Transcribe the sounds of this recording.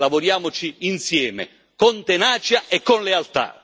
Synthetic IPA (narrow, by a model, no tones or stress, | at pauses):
lavʊɾjaːmʊt͡ʃiːnsjɛːmɪ̰ | kɔnt̪enaːt͡ʃjaʔɛkːɔnlealt̪a̰